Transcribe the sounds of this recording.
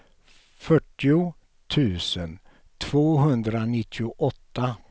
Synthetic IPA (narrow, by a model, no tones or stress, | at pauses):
fœʈːɪʊ | t̪ʰʉ̟ːsən | t̪ʰv̥oːɦɵnd̪ɾanɪt̪ʰːɪʊʔɔt̪ːa